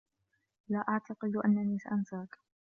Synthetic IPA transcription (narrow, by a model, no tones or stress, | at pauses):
laːʔaʕt̪ɑqɨd̪ʔa̰nːaniːsa̰ʔansaːk